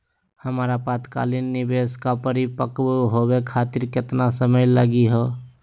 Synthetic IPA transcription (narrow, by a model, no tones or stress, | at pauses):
həmːɾapaːt̪ka̰ːlinːɪbeskapəɾipəkbɦobekʰaːt̪ɪɾkɪt̪nasəməjləɡiɦo